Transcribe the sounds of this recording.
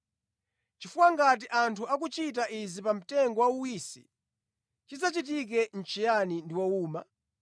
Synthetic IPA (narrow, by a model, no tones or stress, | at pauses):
t͡ʃifuwaŋɡat̬iʔantʰuak̬ut͡ʃit̬aʔizipam̩tɛŋɡɔwauwiːsḭ | t͡ʃizat͡ʃit̬ik̬ɛn̩t͡ʃʰijanindiwauːma